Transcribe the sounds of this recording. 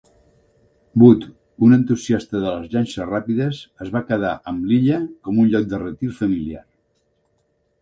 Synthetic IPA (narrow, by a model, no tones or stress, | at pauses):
but̪ | unənt̪uziast̪əðələzʎanʲʃərapiðəsəzβakəð̞a̰ʔəmliʎəkɔmunʎɔk̚d̪ərət̪iɾfəmilia̰r